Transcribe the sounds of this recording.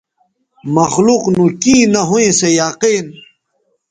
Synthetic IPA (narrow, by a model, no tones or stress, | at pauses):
mɐxluqnũkĩːnɐɦuẽsejaːqiːn